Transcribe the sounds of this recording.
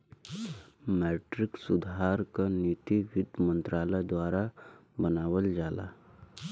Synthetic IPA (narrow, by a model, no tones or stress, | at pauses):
mɛʈɾɪksʊd̪ʱaːɾkanit̪iʋɪd̪mə̃nt̪ɾaːləd̪waːɾabənaːʋəld͡ʒaːla̰